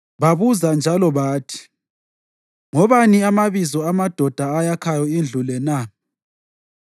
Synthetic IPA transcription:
βaβuzand͡ʒʱalɔβaːtʰi̥ | ŋɔβaniamaβizɔamad̥ʱɔd̥ʱaːjakʰajɔind͡ɮʱulɛna

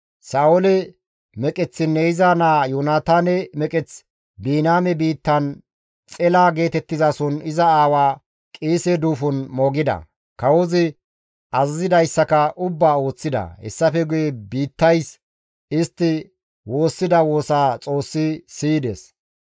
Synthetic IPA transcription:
saːwɔlɛ | mɛkʼɛt͡sːɪnːeɪzaːnaːjɔnaːt̪aːnɛmɛkʼɛt͡s | biːnaːmɛbiːt̪ːɐn | t͡sʼɛlaːɡe̞ːt̪ɛt̪ːɪzasɔnɪzɐaːwaː | kʼiːsɛd̪uːfʊnmɔɡɪd̪ɐ̰ | kɐwɔzɪ | ʔɐzzɪd̪ɐjsːɐkɐʔʊbːaːo̞ːt͡sːɪd̪ɐ̰hɛ̰sːɐfɛɡʊjɛbiːt̪ːɐjs | ɪst̪ːɪ | wo̞ːsːɪd̪ɐwo̞ːsaːt͡sʼo̞ːsːɪsiːd̪ɛs

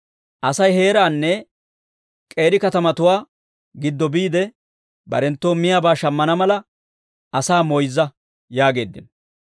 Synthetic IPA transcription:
ʔɐsɐjhe̞ːɾaːnːɛ | kʼe̞ːɾɪkɐt̪ɐmɐt̪ʊwaː | ɡɪd̪ːɔbiːd̪ɛ | bɐ̰ɾɛnt̪ːo̞ːmɪjabaːʃɐmːɐnɐmɐlɐ | ɐsaːmɔjzːɐ | jaːɡe̞ːd̪ːɪ̰n

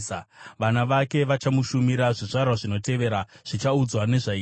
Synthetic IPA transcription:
aʋanaʋake̞ʋat͡ʃamuʃumiɾaʐiʐarwaʐino̞te̞ʋe̞ɾaʐ̥it͡ʃaud͡zwane̞ʐai

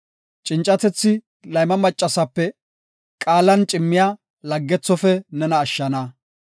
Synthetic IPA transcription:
t͡ʃʼɪnt͡ʃʼːɐt̪ɛt͡sːɪ | lɐjmɐmɐt͡ʃʼːɐsɐpːɛ | kʼaːlɐnt͡ʃʼɪmːɪja | lɐɡːɛt͡sːɔfɛnɛnɐːʃːɐnɐ

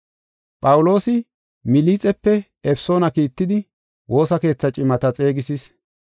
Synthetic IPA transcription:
pʼɐwʊlo̞ːsɪ | mɪliːt͡sʼɛpːɛ | ɛfso̞ːnɐkiːt̪ːɪd̪ɪ | wo̞ːsɐke̞ːt͡sːɐt͡ʃʼɪmɐt̪ɐt͡sʼe̞ːɡɪsis

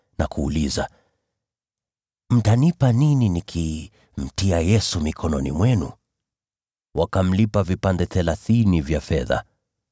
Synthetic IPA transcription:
nakuːliza | m̩tanipanininikʰi | m̩tiajɛsumikʰɔnɔnḭmwɛnu | wakam̩lipavipandɛθɛlaθinivjafɛða̰

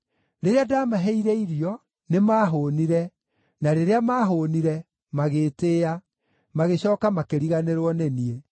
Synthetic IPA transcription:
ɾeɾeadaːmaɦɛiɾɛiɾjɔ | nemaːɦoniɾɛ | naɾeɾeamaːɦoːniɾɛ | maɣeːteːa | maɣeɕɔːkamakeɾiɣaneɾwɔnenie

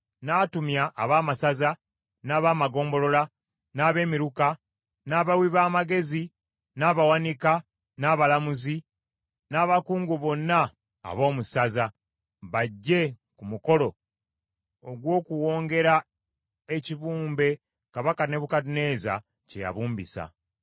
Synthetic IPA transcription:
naːtumjaʔːβaːmasaza | naːβaːmaɡo̞ːmbo̞lo̞la | naːβe̞ːmiɾuka | naːβawiβaːmaɡe̞zi | naːβawanika | naːβalamuzi | naːβakuːŋɡuβo̞nːa̰ː | βo̞ːmusaza | βaɟːe̞ | kumuko̞lo̞ | oɡwo̞ːkuwo̞ːŋɡe̞ɾa | eciβuːmbe̞ | kaβakane̞βukatine̞ːza̰ | ceja̰βuːmbḭsa̰

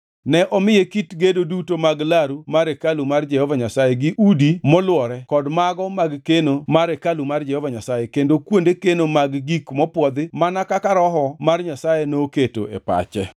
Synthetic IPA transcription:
nɛʔɔmɪjekitɡedodutomaɡlaɾumaɾekalumard͡ʒɛhɔvaɲasajeɡɪʔudimɔlwɔɾɛkɔdmaɡɔmaɡkenomaɾekalumard͡ʒɛhɔvaɲasajekendokwondekenomaɡɡikmɔpwɔd̪ɪmanakakaɾɔɦɔmarɲasajenoːketo̰ḛpa̰t͡ʃɛ

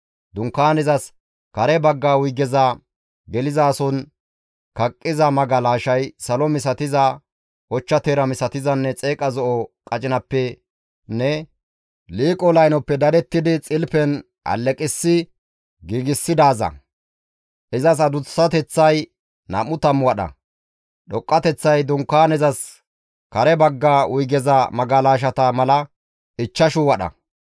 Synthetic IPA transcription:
d̪ʊŋkːaːnɛzɐs | kɐɾɛbɐɡːaːwʊjɡɛzɐ | ɡɛlɪzaːsɔn | kɐkʼːɪzɐmɐɡɐlaːʃɐjsɐlɔmɪsɐt̪ɪzɐ | ʔɔt͡ʃːɐt̪eːɾɐmɪsɐt̪ɪzɐnːɛt͡sʼe̞ːkʼɐzɔʔɔkʼɐt͡ʃʼɪnɐpːɛ | nɛ | liːkʼɔlɐjnɔpːɛd̪ɐdɛt̪ːɪd̪ɪt͡sʼɪlpɛn | ʔɐ̰lːɛkʼɪsːɪ | ɡiːɡɪsːɪd̪aːzɐ̰ | ʔɪzɐs̬ɐd̪ʊsːɐt̪ɛt͡sːɐj | nɐ̰mʊt̪ɐmːʊwɐɗɐ̰ | ɗɔkʼːɐt̪ɛt͡sːɐjd̪ʊŋkːaːnɛzɐs | kɐɾɛbɐɡːaːʔʊjɡɛzɐmɐɡalaːʃ̬ɐt̪ɐmɐlɐ | ɪt͡ʃːɐʃʊwɐɗɐ̰

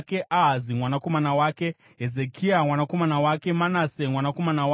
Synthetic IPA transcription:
ke̞ʔaɦazimwanako̞manawaːke̞ | ɦezekʰiamwanako̞manawake̞manasemwanako̞manawa

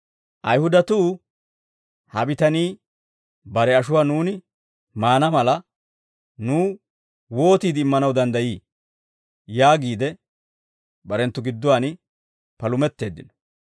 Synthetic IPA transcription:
ʔɐjhʊd̪ɐt̪uː | hɐbɪt̪ɐniː | bɐɾɛɐʃʊwaːnuːnɪ | maːnɐmɐlɐ | nuː | wo̞ːt̪iːd̪ɪmːɐnɐwd̪ɐnd̪ɐjiː | jaːɡiːd̪ɛ | bɐɾɛnt̪ːʊɡɪd̪ːɔwaːnɪ | pɐlʊmɛt̪ːe̞ːd̪ːɪnɔ̥

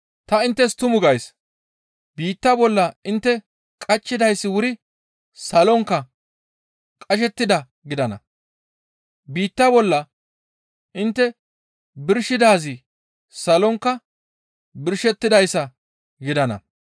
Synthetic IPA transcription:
t̪ɐɪnt̪ːɛst̪ʊmʊɡɐjs | biːt̪ːɐbɔlːɐɪnt̪ːɛ | kʼɐt͡ʃʼːɪd̪ɐjsːɪwʊɾɪ | sɐlɔŋkːɐ | kʼɐʃ̬ɛt̪ːɪd̪ɐ | ɡɪd̪ɐnɐ̰ | biːt̪ːɐbɔlːɐ | ʔɪnt̪ːɛ | bɪɾʃɪd̪aːzɪ | sɐlɔŋkːɐ | bɪɾʃɛt̪ːɪd̪ɐjsːɐ | ɡɪd̪ɐnɐ̰

